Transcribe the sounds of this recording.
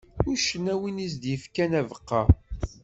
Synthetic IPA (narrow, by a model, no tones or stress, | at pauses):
ʊɾʃənːæwinis̬d̪jəfkænævəqːɑ